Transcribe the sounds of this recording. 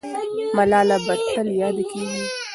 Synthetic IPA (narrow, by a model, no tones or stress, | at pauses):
mɐlaːlabɐt̪ʰɐljaːd̪kiːɡi